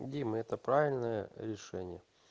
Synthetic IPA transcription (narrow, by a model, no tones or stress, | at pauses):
dʲemɨɛt̪əpɾavʲɪlʲnəjə̰ɾʲɪʂɛnʲɪjə